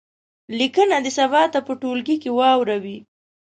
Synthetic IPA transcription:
likənad̪əsabɑt̪apəʈolɡikewɑwɾawi

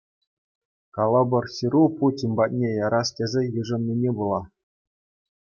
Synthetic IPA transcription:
kɑlˠːɑbɤ̆rsiɾuputʲinʲbɑt̚ʲnʲejɑɾɑstʲezʲĕjɯʐɤ̆mnʲinʲebulˠɑ

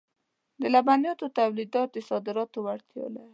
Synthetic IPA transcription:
d̪əlabanjɑt̪ot̪awlid̪ɑt̪̚d̪əsɑd̪ɪɾɑt̪owaɽt̪jɑ̰la

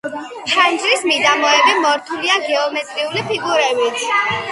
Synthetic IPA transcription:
t͡ʃʰand͡ʒʼɾismid̪amɔɛbimɔɾt̪ʰuliaɡɛɔmɛt̪ʼɾiulipʰiɡuɾɛbit̪ʰ

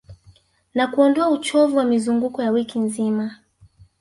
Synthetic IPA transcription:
nakuɔndɔaut͡ʃɔvuwamizuŋɡukɔjawikinzima

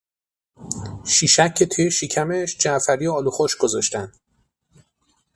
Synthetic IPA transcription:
ʃiːʃæcʰːe̞t̪ʰujeʃicʰæmeʃd͡ʒæʔfæɾijoɒːluxoʃɡ̥ozɒʃt̪ænd̪̥

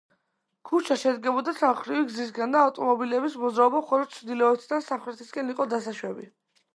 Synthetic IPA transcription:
kʰut͡ʃʰaʃɛd̪ɡɛbɔd̪asamχɾiviɡzis̬ɡand̪aːft̪ʼɔmɔbilɛbismɔd̪zɾaɔbaχɔɾɔt̪t͡ʃʰd̪ilɛɛt̪ʰd̪ansamχɾɛt̪ʰisɡʼɛniqʼɔd̪asaʃwɛbi

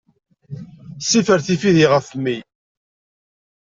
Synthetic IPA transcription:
sifəɾθifiðiʁəfmːi

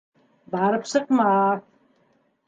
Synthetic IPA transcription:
bʕaɾɨpʰsɨqma

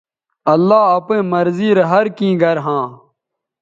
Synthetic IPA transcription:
ɐlːaːɐpẽːmɐɾziːɾɐɦɐɾkĩːɡɐɾɦãː

